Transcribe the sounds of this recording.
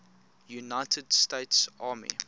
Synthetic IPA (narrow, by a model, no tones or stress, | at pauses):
junaɪtʰədsteɪtsɑːmḭ